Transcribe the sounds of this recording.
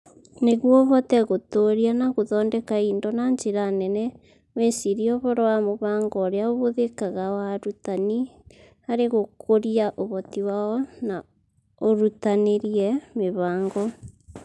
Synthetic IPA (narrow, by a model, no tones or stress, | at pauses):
neɣwɔβɔtɛɣotoɾianaɣoðɔːndɛkaiːndɔnaɲd͡ʒeɾanɛnɛ | wesiɾiɔβɔɾowamoβaːŋɡɔːɾeaoβoðekaɣawaɾutani | aɾeɣokʰoɾiaʔoβɔtiwaɔna | oɾutaneɾjɛmeβaːŋɡɔ